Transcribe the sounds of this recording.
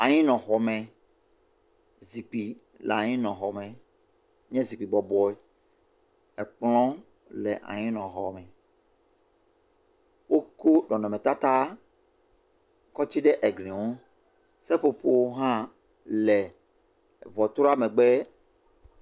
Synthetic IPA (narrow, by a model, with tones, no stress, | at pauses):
a˨ɲĩ˦nɔ̃˨xɔ˨mɛ̃˨ | zi˨k͡pi˨ | lɛ̰˨a˨ɲĩ˦nɔ̃˨xɔ˨mɛ̃˨ | ɲɛ̃˦zi˨k͡pi˨bɔ˨bɔ˦ɛ˦ | ɛ˨k͡plɔ̃˦ | lɛ˨ʔa̰˨ɲĩ˦nɔ̃˨ɦɔ̰˨mɛ̃˨ | wo˦ko˦ɖɔ˨nɔ̃˨mɛ̃˨t̪a˦t̪a˦ | kɔ˦t͡ɕi˦ɖɛ˦ʔɛ˨ɡlĩ˨wo˦ | sɛ˦ɸo˨ɸo˦wo˦ɦã˦ | lɛ˨ | vɔ˨t̪ɾo˦a˦mɛ̃˨ɡ͡bɛ˦